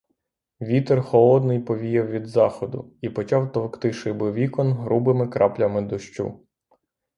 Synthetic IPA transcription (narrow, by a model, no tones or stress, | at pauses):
ʋʲit̪ɛrxɔlˠɔd̪nɪjpɔʋʲijɛwʋʲid̪zɑxɔd̪ʊ̰ipɔt͡ʃɑwt̪ɔwkt̪ɪʃɪbɪʋʲikɔnɦɾubɪmɪkɾɑplʲɐmɪd̪ɔʃt͡ʃṵ